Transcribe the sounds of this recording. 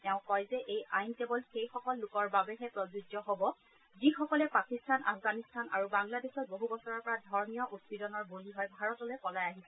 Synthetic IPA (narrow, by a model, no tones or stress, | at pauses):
tɛʊ̃kɔjzɛʔejʔajnkebɔlxejxɔkɔlːʊkɔɹbabɛɦɛpɹɔzud͡ʒɔɦobɔ | zixɔkɔlɛpakistʰanʔa̰pʰɡanistʰana̰ɹubaŋladexɔt̚boɦubɔsɔɹɔɹpɔɹadʱɔɹnijɔʔutsidɔnɔɹboliɦɔjbʱaɹɔtɔloejkɔlajaɦisɛ